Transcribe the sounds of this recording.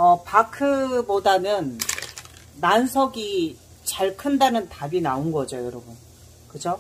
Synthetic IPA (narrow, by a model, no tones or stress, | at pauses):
ʌpakʰɯbodanɯnː | ansʰʌɡi | t͡ɕaɭkʰɯndanɯntabinaonɡʌd͡ʑojʌɾʌbun | kɯd͡ʑo